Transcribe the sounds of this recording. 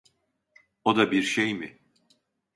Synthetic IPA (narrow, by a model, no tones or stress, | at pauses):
od̪abiɾʃejmɪ